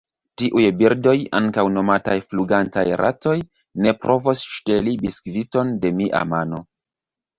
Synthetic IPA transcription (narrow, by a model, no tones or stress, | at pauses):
tiʔujbiɾdo̞ja̰ŋkawno̞matajfluɡantajɾʔa̰to̞j | ne̞pɾʔo̞vosʃte̞libiskvito̞nde̞miʔa̰mano̞